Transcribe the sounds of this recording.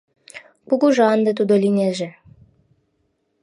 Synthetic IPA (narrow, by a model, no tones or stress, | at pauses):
kuɡuʒɑnd̪ə̆t̪ud̪olinʲeʒĕ